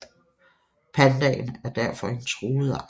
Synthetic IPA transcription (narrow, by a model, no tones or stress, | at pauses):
pʰænd̥ɛ̰ːɪnæɐd̥æɐfɒ̽e̝nt͡sʰʁoːð̩ˠ